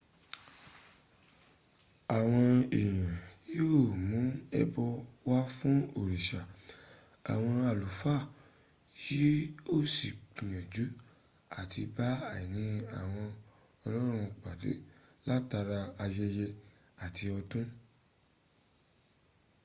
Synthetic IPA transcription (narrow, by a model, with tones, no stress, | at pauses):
a˨w̃ɔ̃˧e˨j̃ã˨jo˦˨mũ˨˦ɛ̰˧bɔ˧wa˦fũ˦o˦˨ɾi˨ʃa˨ | a˨w̃ɔ̃˧a˨lu˨fa˦˨ | ji˦o˦˨si˨k͡pĩ˨jã˨d͡ʒu˨˦a˦˨ti˧ba˦a˦˨i˨nĩ˧˦a˨w̃ɔ̃˧ | ɔ˧lɔ˦ɾ̃ũ˧k͡pa˨de˨˦la˦ta˧ɾa˧a˧jɛ˧jɛ˧ | a˨ti˧ɔ˧tũ˦